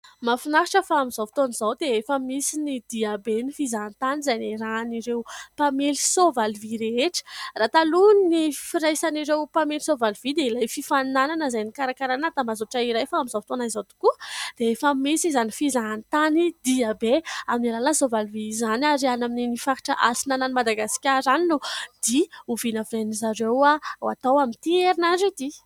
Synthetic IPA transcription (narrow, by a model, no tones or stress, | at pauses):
mafinaɦiʈ͡ʂəfaːmizavi̥t̪onizawd̪eefəmisinid̪̥iabenifizant̪anizajniɾaniɾewpameli̥sovaliviɾeeʈ͡ʂə̥rat̪alunnifiɾajsaniɾewpamelisovalivid̪eilajfifanananəzajnikaɾakaɾanat̪amazoʈ͡ʂaiɾajfaamizavi̥t̪onaizawt̪u̥kud̪̥eefamesizanifizaant̪anid̪iabeamnalalasovalvizanaɾianamininifaki̥ʈ͡ʂaʔasinananimad̪aɡasi̥kʲaɾaninud̪̥iuvinavanizaɾewaawa̰t̪awamint̪ieɾinazed̪i